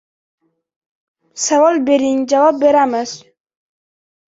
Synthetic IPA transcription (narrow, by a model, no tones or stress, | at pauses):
savɒlˠbeɾiŋd͡ʒavɒp̚beɾamɪz̥